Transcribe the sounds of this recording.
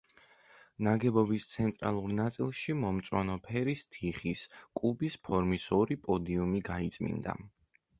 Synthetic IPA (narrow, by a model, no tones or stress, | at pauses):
naɡɛbɔbist̪sʰɛnt̪ʼɾa̰lˠuɾnat̪sʼilˠʃimɔmt̪sʼwanɔpʰɛɾist̪ʰiχiskʼubispʰɔɾmisɔɾipʼɔd̪iumiɡait̪sʼmḭnd̪a̰